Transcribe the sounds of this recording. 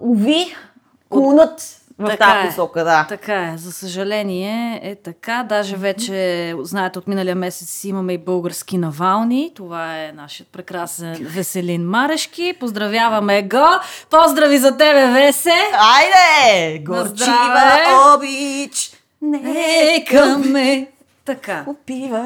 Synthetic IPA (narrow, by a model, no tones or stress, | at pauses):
uvi | klˠunət̪vɐɐft̪aaʊɛsɔkəd̪at̪ɐkaɛzɐsəʒɐlɛniɛːt̪ɐkad̪aʒɛvɛt͡ʃɛznaɛt̪ɛot̪minəlijəmɛsɛt̪simɐmɛibɤlˠɡəɾsk̟inɐvalˠnit̪ovaɛnaʃijət̪̚pɾɛkɾasɛnvɛsɛlinmaɾɛʃkipozd̪ɾɐvʲjavɐmɛɡɔpɔzd̪ɾɐvizɐt̪̬ɛbɛvɛsɛajd̪ɛɡoɾzd̪ɾiavɔbit͡ʃ | nɛkɐmmːɛ | t̪ɐkaopivə